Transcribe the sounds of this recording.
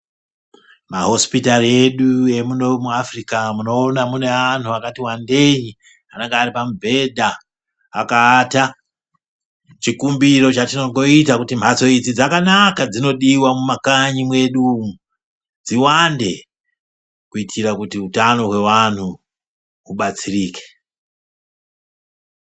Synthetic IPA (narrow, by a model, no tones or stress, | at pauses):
maɦo̞spitarie̞ɗue̞munomuafrikamuno̞ːnamune̞an̤uakatiwande̞ji | aneŋɡeːripamubʱe̞dʱaː | kaːta | t͡ʃikumbiro̞t͡ʃatino̞ŋɡo̞itakutim̤bʱat͡so̞id͡zid͡zakanakad͡zino̞ɗiwamumakaɲimwe̞ɗu | d͡ziwande̞ | kuitʰiɾakutiutano̞ɦwe̞wan̤u | uɓat͡siriːke̥